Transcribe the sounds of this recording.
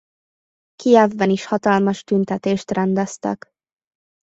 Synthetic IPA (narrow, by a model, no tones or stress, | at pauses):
kiɛvːɛniʃhɒt̪ɒlmɒʃt̪ynt̪ɛt̪eːʃt̪rɛnd̪ɛst̪ɛ̰k